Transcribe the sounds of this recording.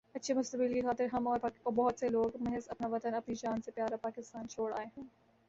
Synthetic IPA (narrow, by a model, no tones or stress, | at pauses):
ɐtːʃʰemʊst̪əbɪlkixaːt̪ɪɾɦɐmɔːɾbɔɦʊt̪seloːɡmɐɦɛzɐpnaʋɐt̪ənɐpnid͡ʒaːnsepjaːɾapaːkɪst̪aːnt͡ʃʰoːɽa̰ːeɦɛ̃ː